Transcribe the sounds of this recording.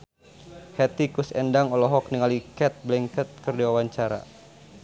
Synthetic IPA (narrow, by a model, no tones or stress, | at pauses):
hɛt̪ikusɛndaŋɔlɔɦɔk̚niŋalikɛt̪̚blɛŋkət̪̚kərdiwawaɲt͡ʃaɾa̰